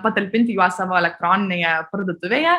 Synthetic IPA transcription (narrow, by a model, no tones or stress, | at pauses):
pɐt̪ɐlʲpʲɪnʲt̪ʲɪjuasɐʋɔːɛlʲɛk̚t̪ɾoːnʲɪnʲejɛpɐɾd̪ɐt̪ʊʋʲejɛ